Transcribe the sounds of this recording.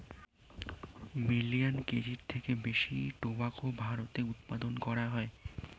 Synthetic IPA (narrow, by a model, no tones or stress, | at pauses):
miliankeɾiɾt̪ʰekebeʃiʈobakobʱaɾot̪eut̪pad̪onkɔɾaɦɔe